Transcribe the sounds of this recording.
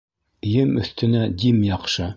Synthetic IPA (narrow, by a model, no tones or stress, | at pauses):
jɘmɵ̰̆θt̪ɘ̆næd̪imjɑqʃɤ